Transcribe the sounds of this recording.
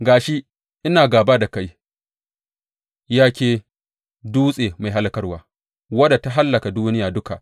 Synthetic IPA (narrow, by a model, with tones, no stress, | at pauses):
ɡaː˨ʃi˦ | ʔɪ˦naː˨ɡaː˨baː˦da˨ka˦j | jaː˦kʲeː˨ | duː˦sʼeː˨ma˨jɦa˦lkɐ˦rwaː˨˦ | wɐ˦da˨ta˦ɦa˦lːɐ˨ka˨duː˦nɪ˦jaː˨dʊ˦ka˨ʔ